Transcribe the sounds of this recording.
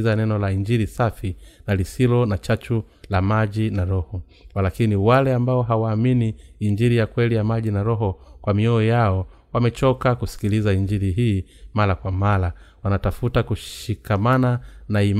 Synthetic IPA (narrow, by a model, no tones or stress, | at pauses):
zanɛnɔlaiɲd͡ʒiɾisafinalisilɔnat͡ʃat͡ʃu | lamaʄinaɾɔhɔ | walakiniwalɛambaɔɦawaːminiːɲd͡ʒiɾijakwɛlijamaʄinaɾɔɦɔkwamiɔːjaɔ | wamɛt͡ʃɔkakusi̥kilizaind͡ʒiɾiɦiːmaɾakwamalawanatafutakuʃikamananaim